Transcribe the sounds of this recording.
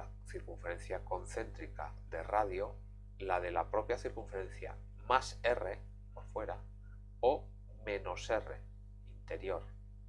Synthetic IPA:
θiɾkuɱfe̞ɾe̞n̟θjako̞nθe̞nt̪ɾika̰ðe̞̰raðjo | lað̞e̞lapɾopjaθiɾkuɱfe̞ɾẽ̞n̟θja̰ | mase̞re̞ | poɾfwe̞ɾa | o | mẽ̞no̞se̞re̞̰ | int̪e̞ɾjo̞ɾ

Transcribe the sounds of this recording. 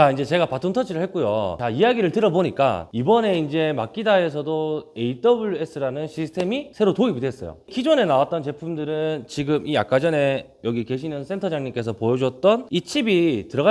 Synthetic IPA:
t͡ɕaind͡ʑe̞t͡ɕe̞ɡapatʰuntʰʌt͡ɕʰiɾɯɭhek̚k͈ujo̰t͡ɕaijaɡiɾɯɭtɯɾʌboɲik͈a̰ibʌne̞ind͡ʑe̞mak͈idae̞s̬ʰʌdoe̞it͈ʌbuɭjue̞s͈ʰɯɾanɯnɕʰisʰɯ̥tʰe̞misʰe̞ɾotoibide̞s͈ʌjo̰kid͡ʑone̞nawat͈̚ʌnt͡ɕe̞pʰumdɯɾɯnt͡ɕiɡɯmʔija̰k͈ad͡ʑʌne̞ | jʌɡike̞ɕ̬ʰinɯns͈ʰe̞ntʰʌd͡ʑaŋɲimk͈e̞sʰʌpojʌd͡ʑwʌt̚t͈ʌnit͡ɕʰibitɯɾʌɣa

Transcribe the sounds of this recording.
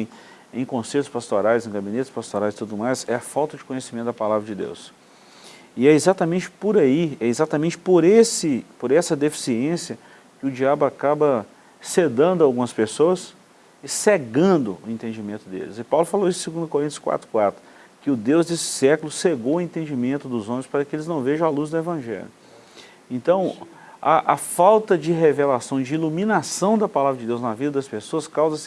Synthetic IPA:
j̃ | ẽj̃kõsejt̪ʊ̥spast̪oɾajzẽj̃ɡabinet̪ɪ̥spast̪oɾajzɪt̪ud̪ʊd̪ʊmajsɛɐfawt̪ɐd͡ʒɪ̥kõɲesimẽt̪ʊd̪ɐpalavɾɐd͡ʒɪd̪ḛws | ɪɛizat̪amẽnt͡ʃɪ̥poɾaiɛɪzat̪amẽnt͡ʃɪ̥poɾesɪpoɾɛsɐd̪efi̥siẽsiɐ | kɪʊd͡ʒiablʊakabɐ | sed̪ɐ̃nd̪ʊawɡũmɐspesoɐs | ɪseɡɐ̃nd̪ʊʊẽnt̪ẽd͡ʒimẽnt̪ʊd̪ḛlɪ̰zɪpawlʊfaloisʊ̥sɪɡũd̪ʊkoɾĩt̪jʊskwa̰t̪ɾʊ̥kwat̪ɾʊ | kɪʊd̪ewzd̪esɪ̥sɛkʊlʊseɡowʊẽnt̪ẽd͡ʒimẽnt̪ʊd̪ʊzõmẽspaɾɐkɪelɪznɐ̃w̃veʒɐ̃w̃aluzd̪ʊevɐ̃ʒɛ̰ljʊ | ẽnt̪ɐ̃w̃ | ɐʔɐfawt̪ɐd͡ʒɪɦevelasɐ̃w̃d͡ʒɪilumĩnasɐ̃w̃d̪ɐpalavɾɐd͡ʒɪd̪ewznɐvid̪ɐd̪ɐspesoɐskawzɐsɪ

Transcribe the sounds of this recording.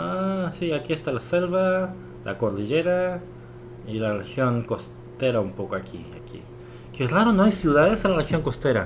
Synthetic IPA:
asiakiest̪alaselβa | lʔa̰koɾðiʎeɾa | ilarexjoŋkos | t̪eɾaumpokoakʰḭa̰kḭ | keraɾonoajsjuðaðesenlarexjoŋkost̪eɾa

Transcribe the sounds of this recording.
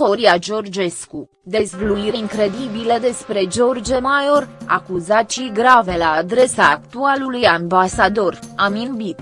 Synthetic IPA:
o̞ɾiad͡ʒo̞rd͡ʒe̞sku | d̪e̞zvluiɾeiŋkɾe̞d̪ibiləd̪e̞spɾe̞d͡ʒo̞rd͡ʒemajo̞ra̰kuzat̪t͡ʃiɡɾave̞laːd̪ɾe̞saːk̚t̪ualulujambasad̪o̞raminbit̪

